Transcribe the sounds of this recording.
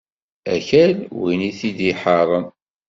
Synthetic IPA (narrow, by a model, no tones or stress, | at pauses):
æ̰çælwiniθid̪iħɑɾˤən